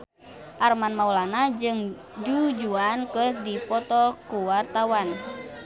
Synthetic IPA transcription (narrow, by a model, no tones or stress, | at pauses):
ʔarmanmaulanad͡ʒɨŋ | dud͡ʒuankəhdipɔt̪ɔkuwart̪awan